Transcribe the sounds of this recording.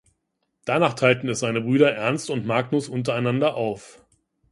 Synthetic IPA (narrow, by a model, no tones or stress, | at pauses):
d̥anaːχtʰaɪltn̩ɛsz̥aɪnəbʁyːdɐʔɛɐnstʊntmaːɡnʊsʔʊnt̬ɐaɪnandɐʔaʊf